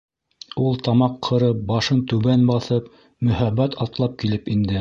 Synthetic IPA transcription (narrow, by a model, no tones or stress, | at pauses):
ulˠt̪ɑmɑqʰːɤ̆ɾɤp̚bɑʃɤnt̪ɵ̆βænbɑθɤp | mɵ̆hæbːæt̪ʰɑt̪lˠɑp̚kilɘpind̪ɘ